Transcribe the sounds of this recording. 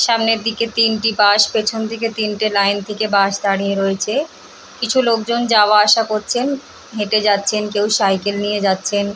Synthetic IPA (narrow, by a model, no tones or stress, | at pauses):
ʃamneɾd̪iket̪inʈibaʃpet͡ɕʰond̪ʱiket̪inʈelajnt̪ʰekebaʃd̪aɽieɾoet͡ɕʰe | kit͡ɕʰulok̚d͡ʑond͡ʑaoaaʃakoɾt͡ɕʰen | ɦeʈed͡ʑatːɕʰenkewʃajkelnijed͡ʑatːɕʰen